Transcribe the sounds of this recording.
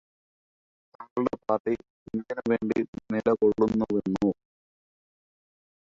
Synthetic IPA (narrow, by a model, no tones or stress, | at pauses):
t̪ɐŋɡɐɭuɽe̞paːrʈi | enikːɐnɐʋe̞ːɳɖḭnilɐkoɭːunːɐʋeɳːu